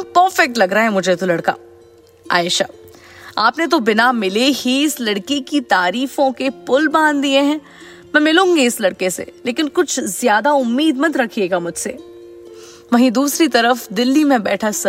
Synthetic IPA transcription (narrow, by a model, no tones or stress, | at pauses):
pəɾfɛk̚ʈlɐɡɾaɦɛmʊd͡ʒʱet̪olɐɽka̰ | a̰ːɪʃa̰ː | aːpnet̪̬obɪnamɪlehiɪslɐɽkikit̪aːɾiːfõkepʊlbãːnd̪d̪ieɦɛ̃ː | mɛ̃mɪlũːŋɡiɪslɐɽkesḛleːkɪnkʊt͡ʃʰzjaːd̪aʊmːiːd̪mɐt̪ɾɐkʰieːɡamʊd͡ʒʱseː | ʋɐɦĩd̪uːsɾit̪ɐɾəfd̪ɪlːimẽbɛːʈʰasɐ